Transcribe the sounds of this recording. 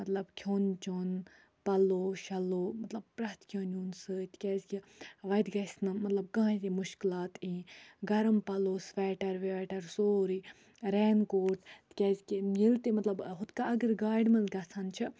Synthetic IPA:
mɐt̪lɐbkʰoːnt͡ʃon | pɐloːʃɐloːmɐt̪lɐb̚pɾɐt̪kʰjoːnuːnsɨt̪ʰkʲɛːzʲkiʋɐjd̪ɡɐsʲnɨmːɐt̪lɐb̚ɡãːt̪imuʃkilaːt̪ĩːɡɐɾɐmpɐloːsʋɛːʈɐɾʋeʈɐɾsoːɾi | ɾeːnkoːɾʈ̪t̪kʲɐzʲkimjilt̪imɐt̪lɐbɦʊt̪kaɐɡɨɾɡaːɖmɐnzɡɐt͡sʰant͡ʃʰi

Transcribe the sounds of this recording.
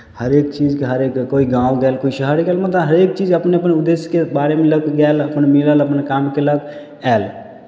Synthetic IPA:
həɾek̚t͡ʃid͡ʒkeɦəɾekkoiɡãũɡɛlkoisəɦəɾɡɛlmət̪əɦəɾek̚t͡ʃid͡ʒəpneəpnud̪eskebaɾemẽləkɡɛləpənmilələpnkamkelək | ɛl

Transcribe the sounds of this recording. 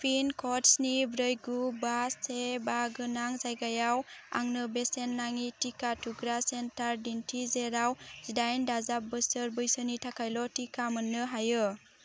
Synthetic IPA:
pʰinkʰɔtsnibɾəjɡubasebaɡɯnaŋzajɡajawa̰ŋnɯbesenːaŋitikatʰuɡɾasentaɾdintʰizeɾawz̥idajndazap̚bɯsəɾbɯjsənitʰakʰajlɔtikamɯnːɯɦajɯ

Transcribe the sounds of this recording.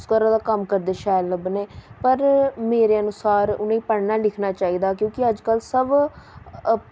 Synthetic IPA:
skəɾãːd̪aːkəmkəɾd̪eːʃaːjləbneːpəɾmeːɾeːənʊsaːɾʊ̰nẽiːpəɽnaːlɪkʰnaːt͡ʃaːiːd̪aːkjõːkɪəd͡ʒkəlsəb

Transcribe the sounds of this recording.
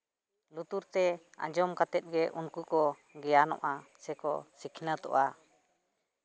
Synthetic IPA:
lut̪uɾt̪ɛã̰d͡ʒɔmkat̪ɛt̪̚ˀɡɛʔunkukɔ | ɡɛjanɔ̰̃ʔasɛkɔsikʰnət̪ɔ̰ʔa

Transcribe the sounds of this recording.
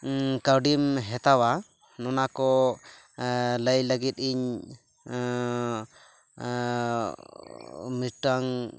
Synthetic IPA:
kawɖimɦɛt̪awa | nɔnakɔ | ləjləɡit̪̚ˀiɲ | misʈaŋ

